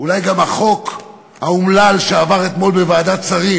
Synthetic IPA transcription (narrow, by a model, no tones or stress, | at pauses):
ulajɡamaχo̞k | haumlalʃeavaʁet̪mo̞lbevaːd̪at͡saʁi